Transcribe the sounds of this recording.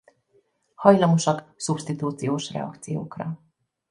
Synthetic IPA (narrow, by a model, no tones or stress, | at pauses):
hɒjlɒmoʃɒksupʃt̪it̪uːt̪sijoːʃrɛ̰ɒ̰kt̪sijo̰ːkrɒ